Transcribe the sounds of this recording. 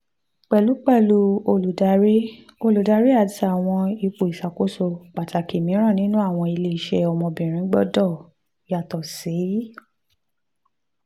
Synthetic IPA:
k͡pɛ˨lu˨˦k͡pɛ˦˨lu˧˦o˧lu˨da˧˦ɾi˦ | o˧lu˨da˧˦ɾi˦a˦˨ta˨w̃ɔ̃˧i˧k͡po˨i˨sa˨ko˦so˧k͡pa˨ta˨ki˨mĩ˨˦ɾ̃ã˦˨nĩ˦nũ˦a˦˨w̃ɔ̃˧i˧le˧i˨ʃɛ˧˦ɔ˧mɔ̃˧bĩ˨ɾ̃ĩ˨˦ɡ͡bɔ˦dɔ˦˨ | ja˨tɔ˨si˨˦

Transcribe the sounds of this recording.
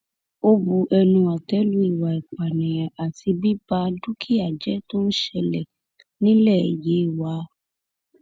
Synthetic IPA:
o˦bu˨˧ʔɛ˧nũ˧a˨tɛ˦lu˦i˦˨wa˨i˨k͡pa˨nɛ̃˨ja˨ʔa˨ti˧bi˦ba˧du˦kʰi˦a˨d͡ʒɛ˨˦to˦ñ̩˦ʃɛ˧lɛ˨ | nĩ˦lɛ˦˨je˨˦i˦˨wa˨˦

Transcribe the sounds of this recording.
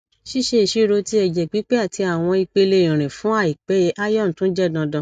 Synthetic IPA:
ʃi˦ʃe˧˨ʃi˨˦ɾo˧ti˧˦ɛ˧d͡ʒɛ˨k͡pi˨˦k͡pɛ˦a˦˨tʰi˧a˨w̃ɔ̃˧i˧k͡pe˧le˧ĩ˨ɾ̃ĩ˨fũ˨˦a˦˨i˨k͡pɛ˨˦je˨˦ʔa˦jɔ˦˨n̩˨tũ˦d͡ʒɛ˦˨dã˧dã˧˦

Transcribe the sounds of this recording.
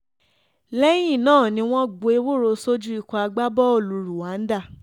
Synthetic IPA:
lɛ˦j̃ĩ˦˨nãː˦˨nĩ˧˦w̃ɔ̃˦ɡ͡bo˨˧e˦˧˦wo˦˨ɾo˧so˦d͡ʒu˦i˦˧kɔ˧a˧ɡ͡ba˦bɔ˦o˦˨lu˨˧ɾu˨wa˨˦n̩˦da˦˨

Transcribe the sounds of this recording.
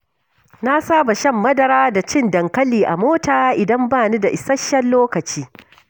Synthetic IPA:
na˦saː˦ba˨ʃɐ˦˨mːɐ˦dɐ˨ɾaː˦da˨t͡ʃɪ˦ndɐ˨ŋkɐ˦liː˨ʔa˨moː˦taː˨˦ʔɪ˨dɐ˦mbaː˦˨ni˦da˨ʔɪ˨sɐ˦ʃːɐ˦lloː˦kɐ˨t͡ʃiː˦

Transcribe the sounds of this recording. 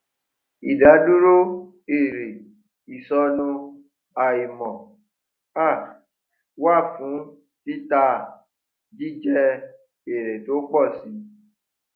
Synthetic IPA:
i˨da˨˦du˦ɾo˦ | e˦˨ɾe˨ | i˨sɔ˧nũ˧ | a˨i˨mɔ̃˨ | a˦˨ | wa˦˨fũ˨˦ | ti˦ta˧ | d͡ʒi˦d͡ʒɛ˦ | e˨ɾɛ˨to˨˦k͡pɔ˦˨si˨˦

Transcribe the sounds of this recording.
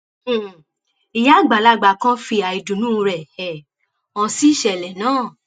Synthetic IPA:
i˨ja˦˨ɡ͡ba˨la˦ɡ͡ba˨˧˨kã˦fi˧a˨i˧dũ˨nũ˦˧ɾɛ˨ɛ˨ | ɔ̃˧si˦˨ʃɛ˧˨lɛ˨nãː˦˨

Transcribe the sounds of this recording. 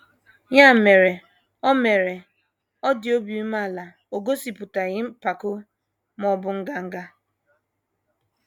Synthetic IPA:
ja˦˨me˨ɾe˨ | ɔ˦me˨ɾe˨ | ɔ˦dɪ˨o˦bi˨i˦ma˦˨la˨ | o˨ɡo˦si˨pʊ˨ta˨ɣɪ˦m̩˦pa˨kʊ˦ | mɔ˨bʊ˨ŋ̩˦ɡa˦ŋ̩˦ɡa˦

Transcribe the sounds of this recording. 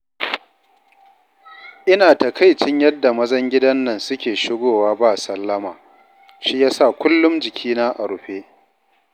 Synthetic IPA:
ʔɪ˦naː˨tɐ˨ka˦jt͡ʃɪ˦ɲjɐ˦dːa˨mɐ˦zɐ˦ŋɡʲɪ˦dɐ˦nːɐ˨nsʊ˦kʲeː˨ʃɪ˦ɡʷoː˨waː˦baː˦˨sɐ˦lːɐ˦maː˨ | ʃi˦jaː˦sa˦˨kʷʊ˦lːʊ˦md͡ʒɪ˨kʲʰiː˦naː˦ʔa˨ɽʊ˨ɸeː˦ʔ

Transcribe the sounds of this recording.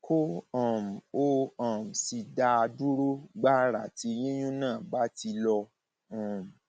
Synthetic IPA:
kʰo˦ɔ̃˨m̩˨o˦ɔ̃˨m̩˨si˧da˧du˦ɾu˦ɡ͡ba˦ɾa̰˨ti˧jĩ˦jũ˦nãː˦˨ba˨˦ti˧lɔ˧ | ɔ̃˨m̩˨

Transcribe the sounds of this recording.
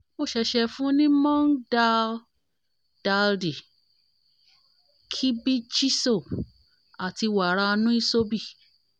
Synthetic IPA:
mo˧˨ʃɛ˧ʃɛ˧fũ˦nĩ˦mɔ̃˦nda˧l | d̥a˧ldi˨ | kʰi˦bi˦t͡ʃi˦so˦˨p | a˨ti˧wa˨ɾa˧nũ˦i˦so˦bi˦˨

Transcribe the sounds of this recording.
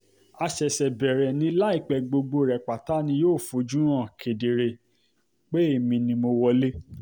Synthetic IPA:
a˧ʃɛ˨ʃɛ˨bɛ˨ɾɛ˨nĩ˧˦la˦i˦˨k͡pɛ˧˨ɡ͡bo˧ɡ͡bo˧˨ɾɛ˨k͡pa˨ta˨˦nĩ˧joː˦˨fo˨˦d͡ʒũ˦ɾ̃ã˦˨kʰe˨de˨ɾe˧ | k͡pe˦e˦˨mĩ˧nĩ˧mo˧wɔ˧le˦

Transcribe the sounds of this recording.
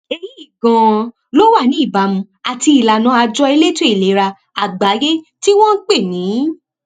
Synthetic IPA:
e˧ji˦i˦˨ɡã˧ | lo˦wa˦˨nĩ˨˦i˦˨ba˨mũ˧ | a˨ti˧i˨la˨nã˨˦a˧d͡ʒɔ˧e˧le˦tu˦e˦˨le˨˦ɾa˧ | a˨ɡ͡ba˨˦je˦ti˦w̃ɔ̃˦n̩˦k͡pe˦˨nĩː˨˦

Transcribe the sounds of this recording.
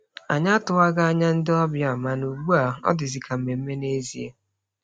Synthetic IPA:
a̰˨ɲa˦tʊ˨a˦ɡa˦a˦ɲa˦n̩˦dɪ˦ɔ˦bja˨ma˨nu˨ɡ͡bu˦a˨ɔ̰˦dɪ˨zi˨kʰa˨m̩˨me˨m̩˦me˦ne˦zḭ˨ḛ˦

